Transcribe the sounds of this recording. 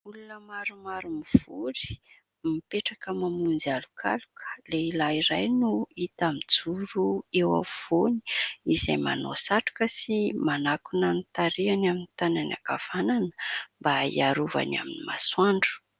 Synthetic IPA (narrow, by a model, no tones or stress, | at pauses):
ulunəmaɾumaɾumiv̥uɾi̥ | mipeʈ͡ʂakəmamund͡zalukʰa̰lukʰə̥leilaiɾajnuit̪amid͡zuɾuewa̰v̥oni̥iza̰jma̰no̰saʈ͡ʂu̥kəsimanakunant̪aɾianaminit̪anana̰kav̥ananə̥mbaḭaɾuva̰na̰minima̰swaɳɖ͡ʐu̥